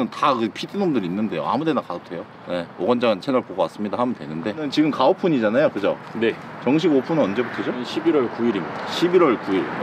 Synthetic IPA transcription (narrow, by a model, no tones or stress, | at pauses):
ɯntakɯpʰidʰinomdɯɾinːɯnde̞jo̰a̰mude̞nakaɯp̚tʰe̞jo | ne̞oɡʌnd͡ʑant͡ɕʰenʌɭpoɡʌwas͈ɯmɲidahamʌntwe̞̰nɯnde̞nɯnt͡ɕiɡɯmkaopʰuɲid͡ʑanajokɯd͡ʑone̞t͡ɕʌŋɕ̬ʰiɡopʰunɯnʌnd͡ʑe̞butʰʌd͡ʑoɕʰibiɾʌɭkuiɾimːidaɕʰibiɾwʌɭkuiɾ